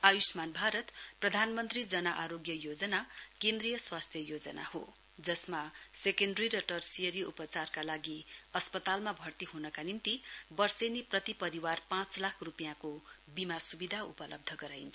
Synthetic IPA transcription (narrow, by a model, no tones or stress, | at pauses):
ajusmanbʱaɾʌt̪prʌd̪ʱanmʌnt̪rid͡zʌnaʔaɾoɡjʌjod͡zʌnakẽnd̪rijʌswast̪ʰjʌjod͡zʌ̰na̰ho | d͡zʌsmasekenɖʌriɾʌʈʌrsiʌɾiṵpʌt͡sarkalaɡiʌspʌt̪almabʱʌrt̪iɦunʌkanint̪ibʌrseneprʌt̪ipʌɾiwarpãt͡slakʰrupjãkobimasubid̪ʱaṵpʌlʌ̰b̚d̪ʱʌɡʌɾajnt͡sʰʌ